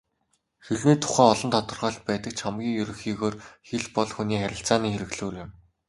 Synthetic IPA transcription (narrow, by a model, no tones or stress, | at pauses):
xiɮniːt̪ʰʊ̥χæːɔɮɞ̆nt̪ʰɔt̪ɞ̆rʁɔːɬt̪̚pæːt̪ə̆k̚t͡ɕʰamɡʲiːŋjɵɾɵ̆xiːɣoːrxeɮpɔɮxuniːχæɾʲɪ̆ɬt͡saːniːxeɾɘ̆kɮuːrɪ̆m